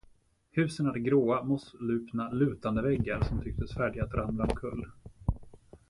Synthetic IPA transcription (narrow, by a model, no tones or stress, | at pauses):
hʉ̟ːsənat̪ɡɾoːamɔslʉ̟ːpnalʉ̟ːt̪and̪əvɛɡːaɾsɔmt̪ʰʏk̚t̪əsfæːɖɪɡat̪ɾʔamlaɔkʰɵ̰lː